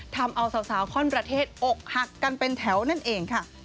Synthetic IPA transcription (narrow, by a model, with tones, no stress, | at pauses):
t̪ʰa˧mʔa˧wsa˨˩˦wsaː˩˦wkʰɔː˥˩npɾa˧t̪ʰeː˥˩t̪̚ʔo˨˩k̚ha˨˩kːa˧npe˧nt̪ʰɛ˩˦wna˥˩nʔeː˧ŋkʰa˥˩